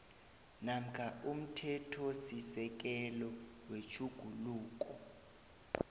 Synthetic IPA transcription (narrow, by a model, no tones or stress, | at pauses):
nam̩kʰaʔum̩tʰɛtʰɔsisɛk̬ɛlɔwet͡ʃʰuɡ̥ʱuluːk̬ʼɔ